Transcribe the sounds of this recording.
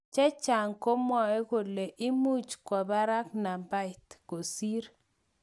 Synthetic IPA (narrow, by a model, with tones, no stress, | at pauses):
t͡ʃɛ˦t͡ʃa˨ŋko˦mwɔ˨e˦ko˨le˨ʔɪ˦mu˦t͡ʃkwɔ˨ba˦ɾa˦kna˨ba˦ɪ˨t̪ko˨si˦ɾ